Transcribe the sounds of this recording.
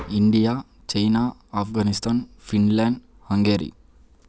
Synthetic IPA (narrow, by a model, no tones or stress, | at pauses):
iɳɖijaː | t͡ʃɐjnaːpɡaːnist̪ʰaːnfʰinleːɳɖ | hɐŋɡeːɾḭ